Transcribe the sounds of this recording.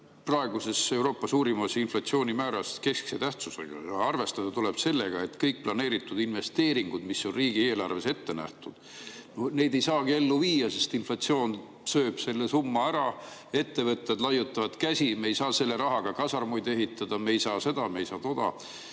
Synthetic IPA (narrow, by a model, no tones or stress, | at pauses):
prɑe̞ɡ̥use̞se̞wɾo̞ːpːɑsuːɾimɑsinflɑt̪sio̞ːnʲimæːɾɑske̞skset̪æht̪susḛɡ̥ɑ̰jɑɑrve̞st̪ɑd̪̥ɑt̪ule̞b̥se̞lːe̞ɡ̥ɑe̞t̪kɤjk̚plɑne̞ːɾit̪ːˑud̪̥inve̞st̪e̞ːɾiŋɡ̥ud̪̥misːo̞nriːɡ̥ie̞ːlɑrve̞se̞t̪ːe̞næ̰ht̪ud̪̥ | none̞jd̪e̞jsɑːɡ̥ie̞lːuviːjɑse̞st̪inflɑt̪sio̞ːn | søːb̥se̞lːe̞sumːɑæɾɑe̞t̪ːe̞vɤt̪ːˑjɑd̪lɑjut̪ˑːɑvɑt̪kæsʲimeejsɑːse̞lːe̞ɾɑɦɑɡ̥ɑkɑsɑrmujd̪e̞ɦit̪ːˑɑd̪̥ɑmeejsɑːse̞d̪̥ɑmeejsɑːt̪o̞d̪̥ɑ̰